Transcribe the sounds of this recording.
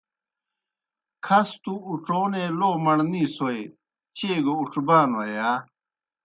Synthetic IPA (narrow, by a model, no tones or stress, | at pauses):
kʰɐst̪uːʈ͡ʂoːneloːmɐɳnĩːsoe | t͡ɕeːɡouʈ͡ʂbaːnɐja